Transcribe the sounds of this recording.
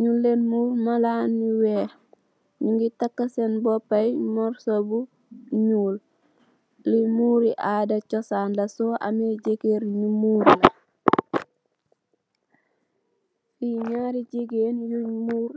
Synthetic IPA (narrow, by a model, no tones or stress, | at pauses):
ɲulːenmuːɾmalaːnmiwɛːh | ɲuŋɡitakːasenbɔpːajmɔɾsobu | ɲuːl | limuːɾiʔadat͡ʃɔsaːnlasoʔa̰meɟeɡeɾɲumuːɾla | fiɲaɾiɟeɡenjuɲmuːɾ